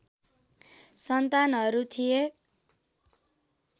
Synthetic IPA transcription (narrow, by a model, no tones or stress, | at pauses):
sʌnt̪anɦʌɾut̪ʰije